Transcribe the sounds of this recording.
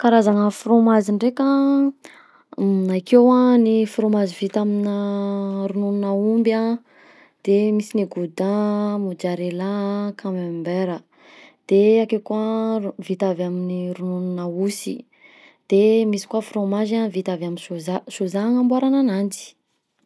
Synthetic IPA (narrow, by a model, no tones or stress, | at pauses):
kaɾazaŋəfromaziɳɖ͡ʐeka | najkewanifromazivit̪aminəɾunununaumba | d̪̥emisiniɡud̪amud͡ʒaɾelakʰamembeɾə | d̪̥eakekuavit̪avaminiɾunununausi | d̪̥emisi̥kwafromaʒavit̪avaminsuzasuzaŋambaɾananand͡ʒi̥